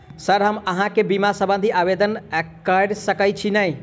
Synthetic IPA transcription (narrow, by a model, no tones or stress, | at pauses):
səɾɦəməɦãkebimasə̃bə̃nd̪ʱiʔaʋed̪ənkəɖsəkəjt͡ʃʰinəi